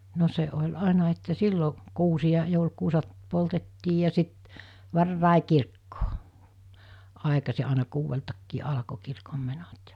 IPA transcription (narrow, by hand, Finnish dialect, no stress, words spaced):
no se olʲ ɑˑenɑ etːæ silːo kuːsij̆ɑ joulkuːsɑt poltetːiː jɑ sit ʋɑrːɑˑe kirkːoː ɑˑekɑsi ɑˑenɑ kuːʋeltɑkːiː ɑlɑ̆ko kirkomːenot